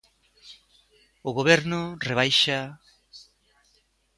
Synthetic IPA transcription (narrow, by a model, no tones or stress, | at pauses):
oɣoβ̞eɾnoreβajʃa